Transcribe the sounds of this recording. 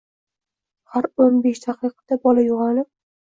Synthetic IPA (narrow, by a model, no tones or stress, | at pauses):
haɾonbeʃt̪ʰaqɨqʰɨ̥d̪abɒlajʊʁɑlɪnɪp̚